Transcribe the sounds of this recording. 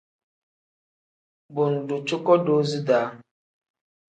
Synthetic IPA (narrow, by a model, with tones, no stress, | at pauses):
bʊ˨n̩˨du˨t͡ʃu˦kɔ˦do˦zi˦daː˨˦